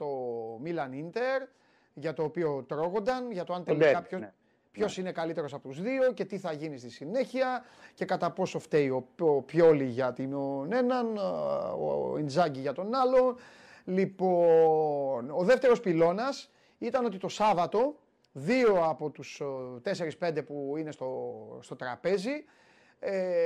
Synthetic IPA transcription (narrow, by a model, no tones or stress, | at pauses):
t̪o̞milɐnint̪e̞ɾ | ʝɐt̪o̞ːpio̞t̪ɾo̞ɣo̞nd̪ɐnʝɐt̪oɐnt̪elikɐpo | pço̞sine̞kɐlit̪e̞ɾosɐpo̞t̪uzðio̞ce̞t̪iθɐʝinist̪isine̞çiɐ | ce̞kɐt̪ɐpo̞so̞ft̪e̞io̞opçoliʝɐt̪inone̞nɐn | o̰end͡zɐɲɟiʝɐt̪o̞nɐlo̞ | lipo̞ | no̞ðe̞ft̪eɾo̞spilo̞nɐs | it̪ɐnot̪it̪o̞sɐvɐt̪o̞ | ðio̞ɐpo̞t̪ust̪e̞se̞ɾispe̞nd̪e̞puine̞st̪ost̪o̞t̪ɾɐpe̞zi | e